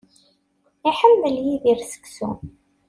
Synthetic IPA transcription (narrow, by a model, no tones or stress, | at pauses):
iħəmːəljiðiɾsə̥ksṵ